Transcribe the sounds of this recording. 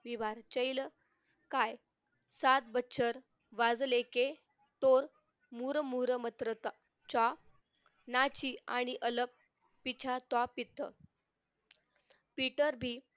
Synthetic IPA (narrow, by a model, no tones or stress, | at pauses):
ʋiʋaɾt͡ɕəjlə | kaj | sat̪̚bətːɕʰəɾ | ʋad͡zleke | t̪oɾ | muɾəmuɾəmət̪ɾət̪a | t͡ɕa | nat͡ɕiaɽ̃iʔələpː | it͡ɕʰat̪wapit̪ːə | piʈəɾbʱiː